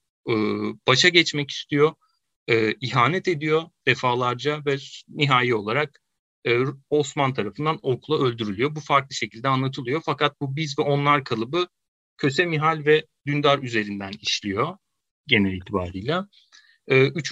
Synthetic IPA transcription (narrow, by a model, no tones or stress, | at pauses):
ɯːb̥aʃaɟɛt͡ʃmɛci̥st̪ʰijo̞ | ɯːiɦaːnɛt̪e̞d̪ijo̞d̪̥efaːlˠaɾd͡ʒavɛniɦaːjio̞lˠaɾak̚ | ɯːo̞smant̪ʰaɾafɯnd̪ano̞kʰulˠaølʲd̪yɾylʲyjo̞bufaɾklˠɯʃe̞cʰilʲd̪ɛanlˠat̪ʰɯlˠɯjo̞fakat̪̚bubizvɛʔo̞nlˠaɾkʰalˠɯbɯ | cʰø̞sɛmiɦalʲvɛ | d̪ynd̪aɾyze̞ɾind̪æniʃlʲijo̞ | ɟe̞nɛlʲiːt̪ʰiba̰ːɾijlʲˠa | ɯːyt͡ʃʰ